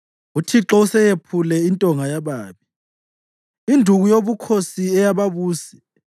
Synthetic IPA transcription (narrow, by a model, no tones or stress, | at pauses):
utʰiǁɔusɛjepʰulɛintʼɔŋajaβaːβi | indʱuɣujoβukʰosiɛjaβaβuːsɛ̥